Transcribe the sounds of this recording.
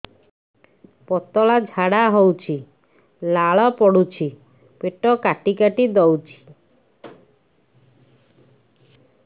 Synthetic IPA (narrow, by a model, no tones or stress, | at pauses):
pɔt̪ɔlad͡ʒʱaɽaɦowt͡ʃʰi | laɭɔpɔɽut͡ʃʰi | peʈɔkaʈikaʈid̪ɔwt͡ʃʰi̥